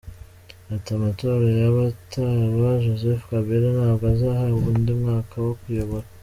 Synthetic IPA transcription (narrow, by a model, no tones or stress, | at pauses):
atamato̞ːɾajaβataβaʒozefkaβiɾanaβɡazahauβuːndimŋaːkʰawokujo̞βoɾa